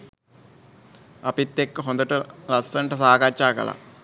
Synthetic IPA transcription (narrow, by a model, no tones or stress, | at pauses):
ɐpit̪ːekːɨɦond̪ɐʈːɨlɐsːɐɳʈɨsaːkaːt͡ɕːaːkɐ̰lɐ̰